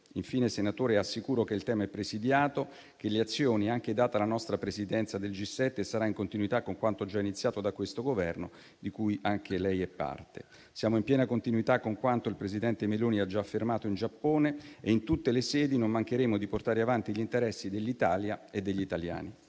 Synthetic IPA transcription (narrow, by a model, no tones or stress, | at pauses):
iɱfiːnesenat̪oːɾeasːikuːɾokeilt̪ɛːmaɛpːɾesid̪jaːt̪o | k̟eleat̪sːjoːniaŋk̟ed̪aːt̪alanɔst̪ɾapɾesid̪ɛnt̪sad̪eld͡ʒisːɛt̪ːesaɾaiŋkont̪inuwit̪akːoŋkwant̪od͡ʒainit̪sːjaːt̪od̪akwest̪oɡovɛrno | d̪ikujʔaŋkʰelɛjɛpːa̰rt̪ḛ | sjaːmoimpjɛːnakont̪inwit̪akːoŋkwant̪oilpɾezid̪ɛnt̪emeloːniad͡ʒaːfːermaːt̪oind͡ʒapːoːneeint̪ut̪ːelesɛːd̪inommaŋk̟eɾeːmod̪iport̪aːɾeavant̪iʎint̪eɾɛsːid̪elːit̪aːljaed̪ːeʎːit̪alja̰ːni